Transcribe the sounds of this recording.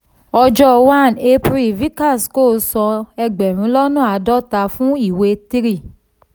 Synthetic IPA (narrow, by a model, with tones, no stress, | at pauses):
ɔ˧d͡ʒɔ˦wa˦˨ne˧pɾi˨vi˦ka˦˨sko˦˨˦sɔ̃˧ɛ˧ɡ͡bɛ˨ɾ̃ũ˨˦lɔ˦nũ˦˨a˨˦dɔ˦˨ta˧fũ˦i˦˨we˧ti˦ɾi˦˨